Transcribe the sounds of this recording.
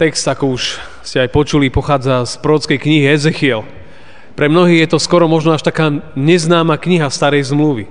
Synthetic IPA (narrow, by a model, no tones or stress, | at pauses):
t̪ɛkst̪akɔuʃ | scɛajpɔt͡ʃulipɔxaːd͡zaspɾɔɾɔt͡skɛjkɲiɦiɛzɛxiɛl | pɾɛmnɔɦiːɣjɛt̪ɔskɔɾɔmɔʒnɔaʃt̪akaːɲɛznaːmakɲiɦast̪aɾɛjzmluʋi